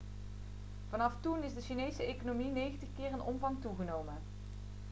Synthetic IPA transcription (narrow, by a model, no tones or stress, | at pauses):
v̥ɑnɑftunɪzdəʃinejsəejkonowminejɣəntəχkɪːrənʔɔ̰mvɑŋtuɣənowmən